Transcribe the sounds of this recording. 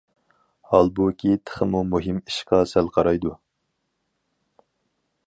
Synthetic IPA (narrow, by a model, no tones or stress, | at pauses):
hɑlˠbukʲʰit̪ʰə̥χəmumuɦimi̥ʃqɑsælqʰɑɾɑjd̪u